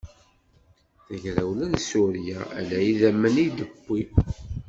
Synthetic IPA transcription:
θəʝɾæwlænsuɾjæælæjiðæmːənid̪əbːi

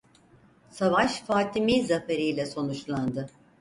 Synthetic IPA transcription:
savaʃfaːt̪ʰimizafeɾijlʲɛso̞nut͡ʃlˠand̪ɯ

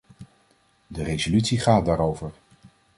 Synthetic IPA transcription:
dərejzolytsiχaːt̚daːɾowvəɹ

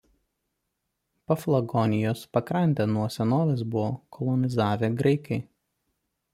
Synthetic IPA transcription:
pɐflˠɐɡɔnʲɪjoːspɐkɾɐnʲt̪ʲeːnuɔsʲɛnoːʋʲɛs̬bʊʋoːkʰɔlˠɔnʲɪzɑːʋʲeːɡɾɐɪkɐɪ

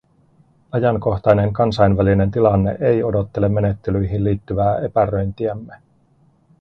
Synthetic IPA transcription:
ɑjɑŋko̞xt̪ɑjneŋkɑnsɑjnʋæline̞nt̪ilɑnːe̞̰ʔe̞jo̞do̞t̪ːe̞le̞mːe̞ne̞t̪ːe̞lyjɦinlːiːt̪ːyʋæːe̞pærø̞jnt̪iæmːe

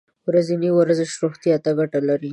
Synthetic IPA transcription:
wɾaziniwaɾzɪʃɾoxt̪jɑt̪aɡaʈalaɾi

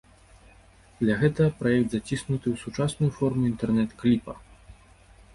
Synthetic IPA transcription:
d̪lʲɐɣɛt̪ɐpɾajɛk̚d̪zat͡sʲisnut̪ɨwsut͡ʂasnujufɔrmuint̪ɛrnɛt̪klʲipɐ

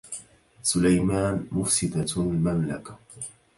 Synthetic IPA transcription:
sʊlajmaːnmʊfsɪd̪almamlakḁ

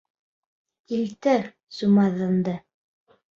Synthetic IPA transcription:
ilt̪æ | sumɑðɤ̆nd̪ɤ

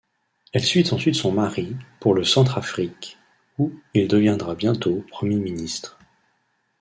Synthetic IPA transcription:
ɛlsɥit̪ɑ̃sɥit̪sɔ̃maʁipuʁləsɑ̃t̪χafχik | uild̪əvjɛ̃d̪ʁabjɛ̃t̪opχəmjeminist̪χ

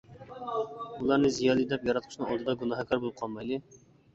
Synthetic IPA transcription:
ulˠɑɾnɨzijɑːlˠid̪ɛpjɑɾɑt̪̚qʰʊʃnɨŋɑlˠd̪ɨd̪ɑɡunɑɦɑkʰʲɑɾbolˠɨp̚qʰɑlˠmɑjlɨ

